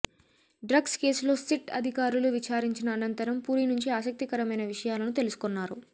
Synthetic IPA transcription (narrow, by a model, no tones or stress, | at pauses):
ɖɾɐɡske̞ːslo̞ːsiʈɐ̰d̪ʱikaːɾuluʋit͡ʃaːɾiɲt͡ʃinɐːnɐnt̪ɐɾɐmpuːɾinuɲt͡ʃiaːsɐk̚t̪ikɐɾɐmɐjnɐʋiʂɐjaːlɐnut̪e̞lusu̥konːaːɾu